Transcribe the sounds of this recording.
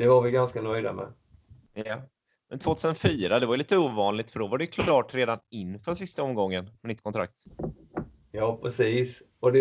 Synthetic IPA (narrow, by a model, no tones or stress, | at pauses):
d̪̥ɛvaɾvɪɡanskanœjd̪a̰mɛ̰ | ja | mɛnt̪ʰvoːt̪ʰʉːsənfyːɾad̪ɛvajʏliːt̪əuːvɑːnlɪɡ̚t̪fœɖɔvaɖɛjkʰlɾɑːʈɾeːd̪anɪnːfœʂɪst̪aɔmɡɔŋːənmɛnɪt̪̚ːkʰɔnt̪ʰɾa̰k̚t̪ | jɑːpʰɾɛsiːsɔd̪ɛ